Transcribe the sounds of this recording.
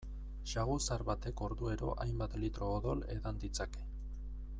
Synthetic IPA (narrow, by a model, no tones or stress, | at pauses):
ʃaɣusaɾβat̪e̞ko̞ɾðue̞ɾo̞̰ʔajmbat̪lit̪ɾo̞ːðo̞le̞̰ðand̪it͡sake̞̥